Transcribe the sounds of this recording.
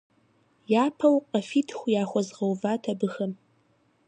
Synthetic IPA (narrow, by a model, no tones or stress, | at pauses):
jaːpʰɐwqɐfiːtʰxʷjaːxʷɔzʁɐwvaːtʰɐbɨxɐm